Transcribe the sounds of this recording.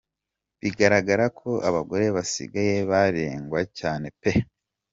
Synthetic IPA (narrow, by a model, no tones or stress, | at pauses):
βiɡaɾaɡaɾakʰo̞ʔaβaɡo̞ɾe̞βasḭɡaje̞βaɾeːŋɡwacaːne̞pe